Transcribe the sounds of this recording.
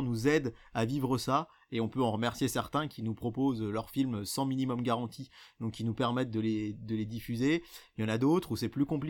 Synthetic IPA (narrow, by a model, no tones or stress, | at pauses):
nuzɛd̪avivʁəsa | eɔ̃pøɑ̃ʁəmɛʁsjesɛʁt̪ɛ̃kʲinupχɔpozlœʁfilmsɑ̃minimɔmɡaʁɑ̃t̪ʰid̪ɔ̃kʲːinupɛʁmɛt̪̚d̪əled̪əled̪ifyzejɑ̃nad̪ot̪χusɛplykɔ̃pli